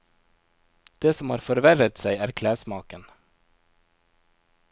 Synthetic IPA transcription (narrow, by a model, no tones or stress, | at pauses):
d̪̥eːsɔmhɑːɾfɔɾʋæɾət̪sæɪæːɾkʰlæːsmɑːkən